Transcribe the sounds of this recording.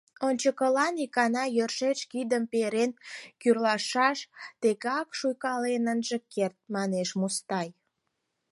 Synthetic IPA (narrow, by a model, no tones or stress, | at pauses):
onʲt͡ɕəkəlɑnikɑnɑjørʃeʃkid̪əmpeɾenkyrlɑʃɑʃt̪eɣɑkʃujkɑlenənʒəkert̪̚mɑneʃmust̪ɑj